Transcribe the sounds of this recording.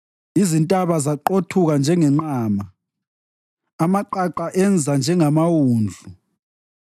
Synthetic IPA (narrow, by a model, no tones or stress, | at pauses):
izintʼaβazaǃotʰuɣand͡ʒʱɛŋɛŋ͡ǃaːma | maǃaǃaʔɛnd͡zʱand͡ʒʱɛŋamawuːnd͡ɮʱu